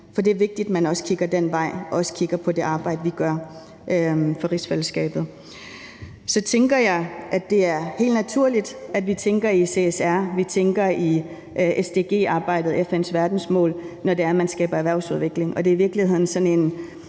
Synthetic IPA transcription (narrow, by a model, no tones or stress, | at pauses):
fɒ̽d̥e̝æɐʋe̝ɡ̥̚d̥id̥mænɒ̽sə̥kʰiɡ̥ɐd̥en̰ʋɑ̈ɪ̰ɒ̽ɒ̽sə̥kʰiɡ̥ɐpʰɒ̽d̥e̝ʔɑ̈ːb̥ɑ̈ɪ̰d̥əʋiɡ̥ɶɐ | ʔøfɒ̽ʁisfeləsɡ̥ɛ̰ːb̥ð̞̩ˠ | sɒ̽t͡sʰeŋɡ̥ɐjɑ̈ɪʔæ̥e̝æɐhe̝̰ːldnæt͡sʰuɐ̰lid̥æd̥ʋit͡sʰeŋɡ̥ɐise̝esæɐ̰ʋit͡sʰeŋɡ̥ɐi | ʔesd̥e̝ɡ̥e̝̰ːɑ̈ːb̥ɑ̈ɪ̰d̥ð̩ˠefensʋæɐd̥n̩smɔ̰ːlnɒde̝æɐmænsɡ̥ɛ̰ːb̥ɐæʋæɐ̰ʊsuð̞ˠʋe̝ɡ̥le̝ŋɒ̽d̥e̝ɐiʋiɐɡ̥lihhe̝ð̰ˠn̩sɒ̽ne̝n